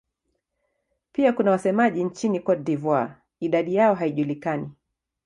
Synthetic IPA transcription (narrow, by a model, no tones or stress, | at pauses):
piakunawasɛmaʄint͡ʃinikɔdivɔa | iɗaɗijaɔɦaiʄulikani